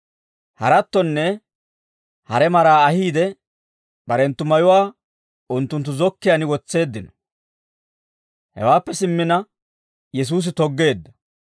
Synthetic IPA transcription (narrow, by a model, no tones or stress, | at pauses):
hɐ̰ɾɐt̪ːɔnːɛ | hɐɾɛmɐɾaːɐhiːd̪ɛ | b̥ɐɾɛnt̪ːʊmɐjʊwaː | ʊnt̪ːʊnt̪̬ːʊzɔkːɪjɐnɪwɔt͡sːe̞ːd̪ːɪnɔ̥ | hɛ̰waːpːɛsɪmːɪnɐ | jɛs̬uːs̬ɪt̪ɔɡːe̞ːd̪ːɐ